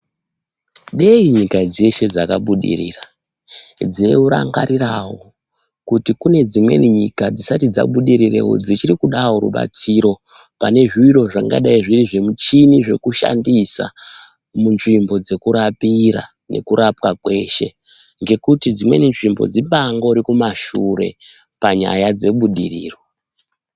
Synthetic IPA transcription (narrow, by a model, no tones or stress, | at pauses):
ɗeiɲikad͡ze̞ʃe̞d͡zakaɓuɗḭriːra | d͡zeuɾa̰ŋɡaɾirawo̞̰ | kutikune̞d͡zimwe̞̰niɲikad͡zisatid͡za̰ɓuɗiɾirḛwo̞̰d͡zit͡ʃiɾikuɗawo̞ɾṵɓa̰t͡siːɾo̞ | pane̞ʐiiɾo̞ʐaŋɡa̰ɗaiʐiriʐe̞mut͡ʃiniʐe̞kuʃa̰ndisa̰ | munʐimbo̞d͡ze̞kuɾapiɾa̰ | ne̞̰kuɾʔapwakwe̞ʃe̞ | ŋɡe̞kutid͡zimweninʐimbo̞̰d͡ziɓaŋɡo̞ɾikumaʃuɾe̞̰ | paɲa̰jad͡ze̞ɓuɗiriːro̞